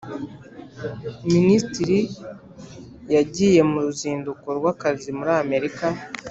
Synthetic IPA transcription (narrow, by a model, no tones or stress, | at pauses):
ministiɾi | jaɟiːje̞muɾuziːndukoɾwaːkazimuɾaːme̞ɾika